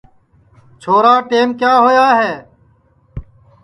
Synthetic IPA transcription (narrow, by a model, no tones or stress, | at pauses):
t͡ʃʰoːɾaːʈeːmkjaːɦoːjaːɦeː